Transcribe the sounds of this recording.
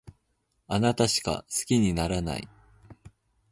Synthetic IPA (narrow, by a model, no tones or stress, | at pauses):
anat̪aɕi̥ka̰sɨ̥kʲiɲ̟inaɾana̰i